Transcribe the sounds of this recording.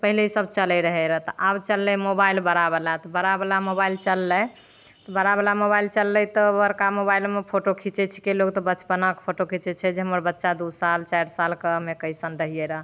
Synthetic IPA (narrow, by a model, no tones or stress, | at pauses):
pəɦileisəbt͡ʃəlɛɾəɦɛɾəɦt̪ɔʔabt͡ʃəlːɛmobailbəɾabelat̪ɔbəɾabelamobailt͡ʃəlːɛ | t̪ɔbəɾabelamobailt͡ʃəlːɛt̪ɔbəɾkamobailmepʰoʈokʰit͡ʃɛt͡ʃʰi̥keloɡt̪ɔbəːt͡ʃbənakpʰoʈokʰit͡ʃɛt͡ʃʰɛd͡ʒeɦəməɾbətːʃad̪usalt͡ʃaɾsalkəmekəjsənɾəɦijɛɾəɦ